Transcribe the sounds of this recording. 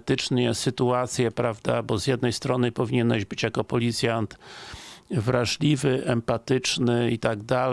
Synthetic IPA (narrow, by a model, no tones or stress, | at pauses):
t̪ɘt͡ʂɲɛsɘt̪uat̪sʲjɛpɾavd̪abɔzjɛd̪nɛjst̪ɾɔnɘpɔvʲiɲɛnaʑbɘt͡ɕjakɔpɔlʲit̪sʲjant̪ | vɾaʐlʲivɘʔɛmpat̪ɘt͡ʂnɘit̪aɡd̪al